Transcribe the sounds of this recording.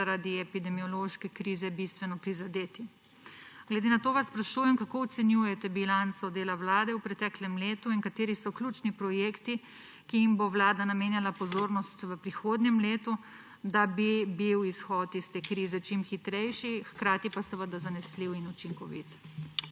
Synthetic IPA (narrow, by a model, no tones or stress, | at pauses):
aɾad̪iɛpid̪ɛmiɔloʃkɛkɾiːzɛbist̪ʋɛnɔpɾizad̪eːt̪i | ɡ̥lɛd̪enat̪oːʋasːpɾaʃuːjɛmkakoɔt̪sɛnjuːjɛt̪ɛbilansɔd̪eːlaʋlaːd̪ɛwpɾɛt̪ɛːklɛmleːt̪uiŋkat̪eːɾisɔklʲuːt͡ʃnipɾɔjeːkt̪i | kiimbowlaːd̪anameːnjalapɔzoːɾnɔst̪ʋəpɾixoːd̪nʲjɛmleːt̪u | d̪abibiwisxɔːt̪ist̪eːkɾiːzɛt͡ʃimxit̪ɾɛjʃixkɾaːt̪ipasɛʋəd̪azanɛsliwinut͡ʃiŋkɔʋḭt̪